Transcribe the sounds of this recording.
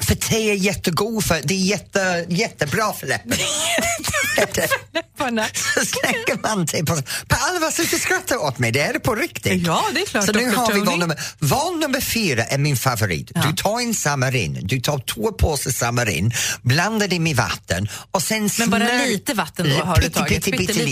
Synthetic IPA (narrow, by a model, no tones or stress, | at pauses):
fət̪ʰeːɛjɛt̪ːəɡuːfœd̪ɛːjɛt̪ːəjɛt̪ːəbɾɑːfəlɛpːə | d | sɔslɛŋːəmant̪ʰeːpʰɔspʰaalːvasɪt̪əskɾat̪ːaot̪mɛjd̪ɛɛdɛpʰɔɾɪkt̪ɪɡd̪ɛsɔnʉːɦaɾvɪvɔnːɵmːəvɑnnːʉmːəɾfyːɾaʔɛɾmɪnfavʊɾḭːt̪d̪ʉt̪ʰɑːɾɪnsamːaɾɪ̰nːd̪ʉt̪ʰɑːt̪ʰvoːpʰoːsəsamːəɾɪ̰nːbland̪ədɪmɛva̰t̪ːə̰nɔsɛnsmːɾliːt̪əvat̪ːənpɪt̪ːʰɪt̪ʰːɪɪ